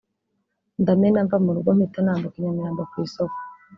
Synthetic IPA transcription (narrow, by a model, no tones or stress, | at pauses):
ndamenaɱvamuɾuɡom̥itanaːmbokiɲamijaːmbakwiːsoko̥